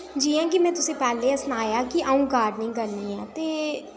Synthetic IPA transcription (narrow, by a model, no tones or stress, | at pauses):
d͡ʒiːãːkɪmɛ̃ːt̪ʊsĩːpɛːleːəsnaːjaːkɪʔəũːɡaːɖnĩːkəɾniːɛːt̪eː